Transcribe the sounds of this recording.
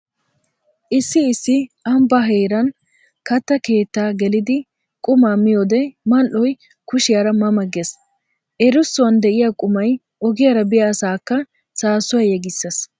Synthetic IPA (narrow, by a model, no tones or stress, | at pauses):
ʔɪsːɪːsːɪɐmbɐɦeːɾɐn | kɐt̪ːɐke̞ːt̪ːaːɡɛlɪd̪ɪ | kʼʊmaːmːɪjoːd̪ɛmɐlʔɔj | kʊʃɪjaːɾɐmɐmɐɡes | ʔɛɾʊsːʊwɐnd̪ɛʔɪjaːkʼʊmɐj | ɔɡɪjaːɾɐbɪjaːsaːkːɐ | saːsʊwɐjɛɡɪsːɐs